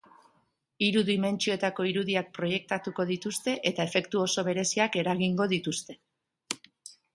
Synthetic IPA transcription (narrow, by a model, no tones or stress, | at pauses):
iɾuðime̞nt͡ʃio̞e̞t̪ako̞iɾuðiak̚pɾo̞je̞k̚t̪at̪uko̞ðit̪ust̪e̞ʔe̞t̪ae̞fe̞kt̪uo̞so̞β̞e̞ɾe̞siake̞ɾaɣiŋɡo̞ðit̪ust̪e̞